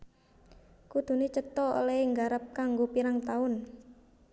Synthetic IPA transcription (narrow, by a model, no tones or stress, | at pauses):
kud̪̥ṳnet͡ʃət̪ɔo̰leɪŋɡaɾəp̚kaŋɡopiɾaŋt̪aʊn